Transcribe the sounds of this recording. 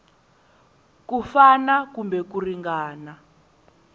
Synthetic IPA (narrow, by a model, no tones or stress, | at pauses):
kufanakumbɛkuriŋɡaːna